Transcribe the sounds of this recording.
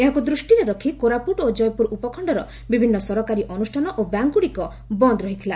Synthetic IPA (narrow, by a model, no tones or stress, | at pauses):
eɦakud̪ɾusʈiɾeɾɔkʰikoɾapuʈod͡ʒɔjɔpuɾupɔkʰɔɳɖɔɾɔ | bibʱinːɔsɔɾɔkaɾiʔɔnusʈʰanɔʔobjaŋkuɽikɔ | bɔnd̪ɾɔɦit̪ʰila